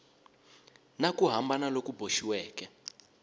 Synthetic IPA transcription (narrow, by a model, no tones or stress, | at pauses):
nakuɦambanalokubʱoʃiwɛːkɛ